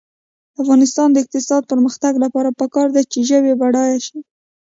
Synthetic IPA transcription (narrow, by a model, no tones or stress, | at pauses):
afɣɑnɪst̪ɑnd̪əɪq̚t̪ɪsɑd̪̚pəɾməxt̪aɡlapɑɾapəkɑɾd̪at͡ʃeʒəbebaɽɑjaʃi